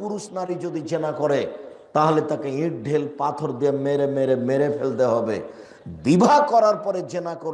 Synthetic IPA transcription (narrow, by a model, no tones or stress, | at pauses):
puɾuʃnaɾid͡ʑod̪id͡ʑenakɔɾe | t̪aɦolet̪akeĩʈ̚ɖʱelpat̪ʰoɾd̪ijameɾemeɾemeɾefʰelt̪eɦɔbḛ | d̪ibʱakɔɾaɾpɔɾed͡ʑenakoɾ